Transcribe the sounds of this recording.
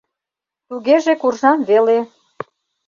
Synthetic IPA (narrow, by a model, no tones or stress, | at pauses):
t̪uɣeʒekurʒɑmβele